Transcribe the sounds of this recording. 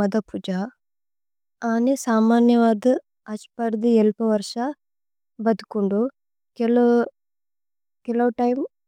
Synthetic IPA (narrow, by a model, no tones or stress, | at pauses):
ɐd̪ɐpʰud͡ʒaː | aːnesaːmaːnjɐʋaːd̪ɐ | ɐt͡ʃpɐɾd̪ielpɐʋɐɾʂa | bɐd̪ukuɳɖu | kel | kɛlɐwʈɐjm